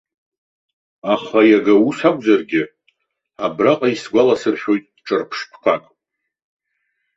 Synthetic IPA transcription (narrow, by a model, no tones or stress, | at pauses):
aχajaɡausakʷʼzarɡʲɪ | abraqʼaisɡʷalasɨrħʲᶣo̞jtʼʈ͡ʂʼɨrpʰʂpʰkʷʰakʼ